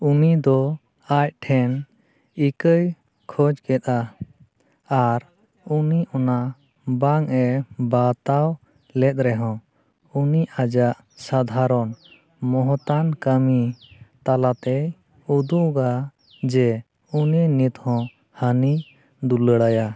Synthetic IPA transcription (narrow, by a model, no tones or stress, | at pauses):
unid̪ɔ | aj̚ʈʰɛn | ikəj | kʰɔd͡ʒkɛt̪̚a | ɾ | uniʔɔna | baŋɛbat̪aw | lɛt̪̚ɾɛɦɔ̃ | uniʔad͡ʒaʔ | sad̪ʱaɾɔn | mɔɦɔt̪ankəmit̪alat̪ɛj | ud̪uʔɡa | d͡ʒɛ | unənit̪hɔ̃ | həni | d̪uləɽaja